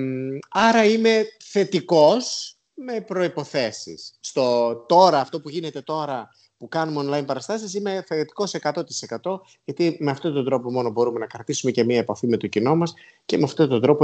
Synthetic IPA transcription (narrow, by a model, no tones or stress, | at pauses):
ɐɾɐime̞θe̞t̪iko̞s | me̞pɾo̞ipo̞θe̞sḭsːt̪o̞t̪o̞ɾɐːft̪o̞puʝine̞t̪e̞t̪o̞ɾɐ | pukɐnumeonlɐinpɐɾɐst̪ɐsisine̞θet̪i̥ko̞se̞kɐt̪o̞t̪i̥se̞kɐt̪o̞ | ʝɐt̪imeɐft̪o̞t̪ond̪ɾo̞po̞mo̞no̞bo̞ɾume̞nɐkɾɐt̪isume̞ce̞miɐepɐfime̞t̪o̞cino̞mɐs | ce̞meɐft̪ot̪ond̪ɾo̞po